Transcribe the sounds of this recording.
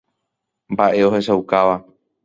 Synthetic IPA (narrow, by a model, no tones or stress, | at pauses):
mbaʔe̞o̞he̞ʃauwkaʋa